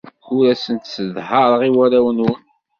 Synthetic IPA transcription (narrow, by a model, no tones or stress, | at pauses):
ʊɾæsənt̪səðhəɾˤʁiwæɾæwənwən